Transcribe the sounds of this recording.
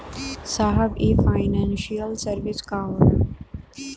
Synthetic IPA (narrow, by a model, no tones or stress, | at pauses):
saɦəbiːfaɪnãːnʃiəlsəɾʋɪska